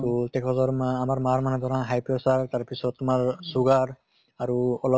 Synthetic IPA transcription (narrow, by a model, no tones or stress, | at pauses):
tutɛkʰɔzɔɹmamaɹmaɹmanɛd̪ʱɔɾãɦajpɔsaɹtaɹpisɔtumaɹsuɡaɹ | aɹuɔlɔ